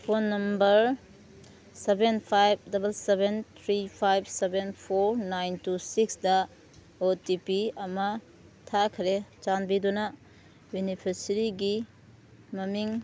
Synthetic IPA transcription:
pʰonːɐmbɐɾ | sebenpʰajb̚dɐbɐlsebent̪ʰɾipʰajb̚sebenpʰoɾnajntusiksdɐ | otipiɐmɐ | tʰakʰɾet͡ʃanbidunɐ | junipʰeɾsiɾiɡi | mɐmiŋ

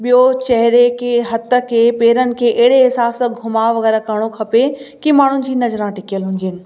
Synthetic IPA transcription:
ɓijot͡ɕɐɦɾekʰeːɦɐt̪ə̆kʰeːpeːɾənɪ̆kʰeːʔeɦɪɽeɦɪsaːbsãɡʱʊmaːʋɐɣɛːɾakɐɽ̃okʰɐpekimaːɳ̤ʊnɪ̆d͡ʑiːnɐzɾãʈɪkijəlɦʊ̃ɲd͡ʑenɪ̆

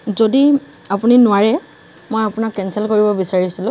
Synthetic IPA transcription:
zodi | apuninʊwaɹɛ | mojapʊnakːɛnsɛlkoɹibɔbisaɹisilʊ̃

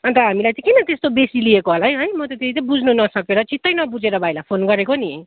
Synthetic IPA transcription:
ʌnt̪ʌɦamilajt͡sʌ̃kinʌt̪est̪obesiliekoɦolaɦjɦʌjmʌt̪ʌt̪et̪it̪ʌ̃bud͡zʱnunʌsʌkeɾʌt͡sʰit̪ːʌjnʌbud͡zeɾʌbʱajlapʰonɡʌɾekoniɦʌj

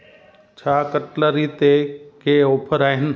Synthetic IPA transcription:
t͡ʃʰaːkəʈləɾit̪ekeoːpʰəɾaːɦɪn

